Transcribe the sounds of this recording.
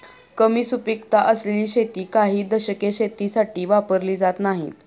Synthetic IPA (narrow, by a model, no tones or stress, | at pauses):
kəmiːsupikt̪aʔəsleliːɕet̪iːkaɦiːd̪əɕəkeɕet̪isaʈiːʋapəɾliːd͡zat̪naɦḭːt̪